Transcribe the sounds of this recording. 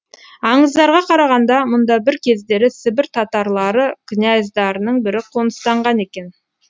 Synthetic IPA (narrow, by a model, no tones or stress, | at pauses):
ɑɴəzd̪ɑɾʁɑqʰɑɾɑʁɑnd̪ɑmʊnd̪ɑbɪɾkʲʰe̞zd̪e̞ɾɪsɪbɪɾt̪ʰɑt̪ɑɾlˠɑɾəkʲʰɪnʲæjzd̪ɑɾənəɴbɪɾɪqʰonəst̪ɑɴʁɑne̞kʲe̞n